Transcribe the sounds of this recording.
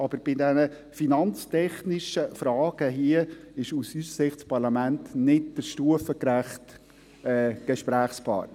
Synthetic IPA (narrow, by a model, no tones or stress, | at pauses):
ʔɑb̥əɾb̥ɪdɛnə | finɑnt͡stʰɛχnɪʃəfɾɑːɡ̥əɦiəɪʃusysəsɪχtspɑɾlɑmæntnɪt̚d̥əɾʃtuəfəkɾæχt | ɛːɡ̥ɛʃpɾæːχspʰɑ̰ː